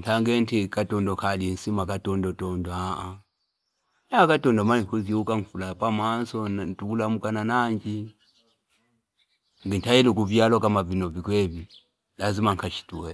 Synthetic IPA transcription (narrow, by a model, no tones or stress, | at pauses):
ŋkʰaŋɡɛntʰikatɔndɔkʰalin̩simakatɔndɔtɔndɔaʔa | jakatɔndɔmanikuziukaɱfulapamansɔnntukulamukananaɲd͡ʒi | ŋɡintʰailuk̬uvjalɔkamavinɔvikwɛvi | lazimaŋkʰat͡ʃʰi̥tuɛ